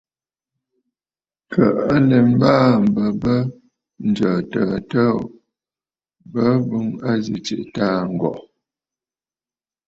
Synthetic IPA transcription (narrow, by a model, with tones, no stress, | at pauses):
kʰə˨ʔa˦lɛ˨m̩˦baː˦˨m̩˨bə˨bə˦ | n̩˨d͡ʒəː˨tə˨tə˦ | bə˦bu˦ŋa˦zi˨t͡ʃe˨ʔta˦ŋ̩˨ɡɔ̰˨ʔ